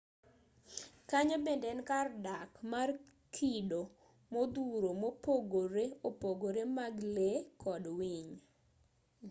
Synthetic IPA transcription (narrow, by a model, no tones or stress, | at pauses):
kaɲobendɛnkardakmar | kʰido | mod̪uɾomopoɡoɾeopoɡoɾemaɡlekʰɔdwiɲ